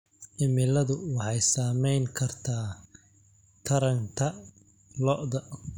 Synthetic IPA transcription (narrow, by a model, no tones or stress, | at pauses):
ʔɪmɪlɐðʊwɑħɑjsaːmɛjŋkʰɐrt̪ʰaː | t̪ʰɐɾɐŋkʰɐ | lɔʔðɐ